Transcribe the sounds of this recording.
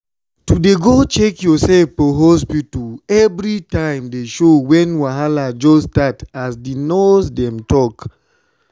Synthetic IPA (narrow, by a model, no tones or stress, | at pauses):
tudeɡot͡ʃekjɔsɛlfpɔɦospituɛvɹitãɪ̃mdeʃowɛ̃nwaɦalad͡ʒɔstatasdinosdɛ̃mtɔk